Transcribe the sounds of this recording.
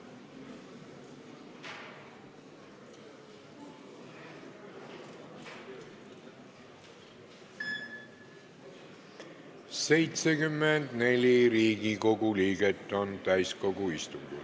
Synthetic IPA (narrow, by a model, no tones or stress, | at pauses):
se̞jt̪sekymːend̪̥ne̞lʲiɾiːɡiko̞ɡuliːɡet̪ːˑo̞nt̪æjsko̞ɡuist̪uŋɡḭl